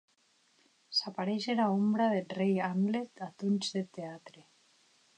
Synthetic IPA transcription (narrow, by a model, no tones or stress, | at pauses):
sapaɾejseɾaumbɾaðelrejamlet̪at̪unt͡ʃðet̪eat̪ɾe